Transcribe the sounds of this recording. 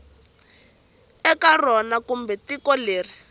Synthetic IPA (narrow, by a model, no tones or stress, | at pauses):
ɛkarɔnakumbɛtikɔleːri